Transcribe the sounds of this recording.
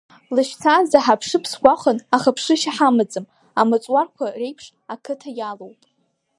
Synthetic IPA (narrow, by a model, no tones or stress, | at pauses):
lɨʃt͡sʰazaħapʰʂɨpʰsɡʷaχʷənaχapʰʂɨʃaħamɨd͡zʼɨm | amɨt͡sʼwarkʷʰare̞jpʰʂ | akʰɨtʰajalowpʼ